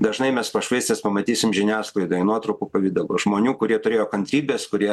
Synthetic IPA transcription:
d̪ɐʒnɐɪmʲɛspɐʃʋɐɪsʲt̪ʲeːspɐmɐt̪ʲiːsʲɪmʒʲɪnʲæːsklˠɐɪd̪oːjɪnuɔt̪ɾɐʊkuːpɐʋʲɪd̪ɐloːʒmoːnʲuːkʊɾʲiɛt̪ʊɾʲeːjoːkɐnʲt̪ʲɾʲiːbʲeːskʊɾʲiɛ

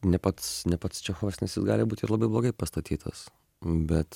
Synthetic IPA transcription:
nʲɛpɐt̪snʲɛpɐt̪st͡ʃʲɛxoːʋʲɛsnʲɛsjɪsɡɑːlʲɪbuːtʲɪɾlˠɐbɐɪblˠoːɡɐɪpɐst̪ɐt̪ʲiːt̪ʰɐ̰s | bʲɛt̪

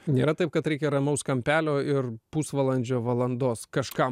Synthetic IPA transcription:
nʲeːɾɐt̪ɐɪp̚kɐt̪ɾʲɛɪkʲɛɾɐmɐʊskɐmʲpʲæːlʲoːɪrpuːsʋɐlˠɐnʲd͡ʒʲoːʋɐlˠɐnd̪oːskɐʃkɐm

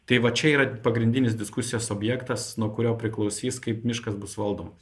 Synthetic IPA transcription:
t̪ɐɪʋɐt͡ʃʲɛiːɾɐpɐɡɾʲɪnʲd̪ʲɪnʲɪsd̪ʲɪskʊsʲɪjoːsoːbʲjæːkt̪ɐsnuɔkʊɾʲoːpʲɾʲɪklˠɒʊsʲiːskɐɪpmʲɪʃkɐsbʊsʋɐlˠd̪oːmɐs

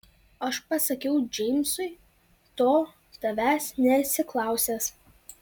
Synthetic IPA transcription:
ɐʃpɐsɐkʲɛʊd͡ʒʲɛɪmʲsʊɪ | t̪oː | t̪ɐʋʲæːsnʲɛsʲɪklˠɑˑʊsʲeːs

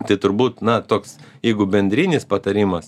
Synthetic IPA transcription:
t̪ɐɪt̪ʊɾbuːt̪nɐt̪oːksjɛɪɡʊbʲɛnʲd̪ʲɾʲiːnʲɪspɐt̪ɐɾʲiːmɐs

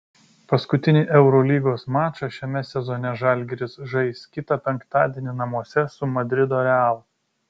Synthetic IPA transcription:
pɐskʊt̪ʲɪnʲɪʔɛʊɾolʲiːɡoːsmɑːt͡ʃɑʃʲɛmʲɛsʲɛzɔːnʲɛʒɐˑlʲɡʲɛɾʲɪsʒɐɪskʲɪt̪ɐpʲɛŋˑkt̪ɑːd̪ʲiɛnʲɪnɐmuɔsʲɛsʊmɐd̪ʲɾʲɪd̪oːɾʲɛɑːlˠʊ

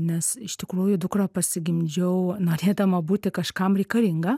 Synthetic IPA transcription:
nʲɛsɪʃt̪ʲɪkɾuːjʊd̪ʊkrɐpɐsʲɪɡʲɪmʲd͡ʒʲɛʊnoːɾʲeːd̪ɐmɐbuːt̪ʲɪkɐʃkɐmɾʲɛɪkɐlʲɪŋɡɐ

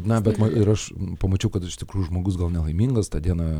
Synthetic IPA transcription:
nɐbʲɛt̪mɐɪɾɐʃpɐmɐt͡ʃʲɛʊkɐt̪ɪʃt̪ʲɪkɾuːjuʒmoːɡʊs̬ɡɐlˠnʲɛlˠɐɪmʲiːŋɡɐst̪ɑːd̪ʲiɛnɐ

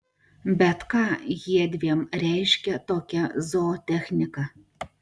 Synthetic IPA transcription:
bʲɛt̪kɑːjiɛd̪ʲʋʲiɛmɾʲɛˑɪʃʲkʲɛt̪oːkʲɛzoːt̪ʲɛxʲnʲɪkɑ

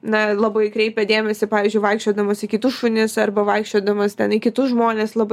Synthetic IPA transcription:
nɐlˠɐbɐɪkɾʲɛɪpʲɛd̪ʲeːmʲɛsʲɪpɑːʋʲiːzʲd͡ʒʲʊɪʋɐɪkʃʲt͡ʃʲoːd̪ɐmosɪkʲɪt̪ʊsʃʊnʲɪsɐrbɐʋɐɪkʃʲt͡ʃʲoːd̪ɐmɐst̪ʲɛnɪkʲɪt̪ʊsʒmoːnʲeːslˠɐbɐ

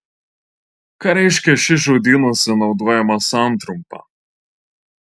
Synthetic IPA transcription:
kɑːɾʲɛɪʃʲkʲɛʃʲɪʒoːd̪ʲiːnusʲɪnɒʊd̪oːjɛmɐsɑˑnt̪ɾʊmpɑ̰

